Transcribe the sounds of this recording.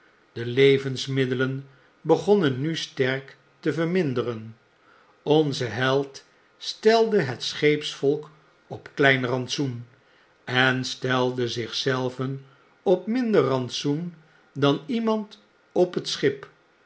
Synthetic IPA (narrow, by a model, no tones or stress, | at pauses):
d̥əlejvənsmɪdələn | bəχɔnənːystɛɹk | təvəɹmɪndərən | ɔnzəɦɛlˠt | stɛlˠdəɦətsχejpsfɔlˠk | ɔpklɛjnrɑntsun | ɛnstɛlˠdəzɪχsɛlˠvən | ɔpmɪndərːɑntsun | dɑnimɑnt | ɔpətsχɪp